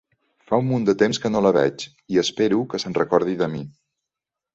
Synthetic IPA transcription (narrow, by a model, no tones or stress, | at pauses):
faumːund̪ət̪emskənoləβ̞ɛ̰t͡ʃ | iəspeɾukəsənrəkɔɾð̞iðəmi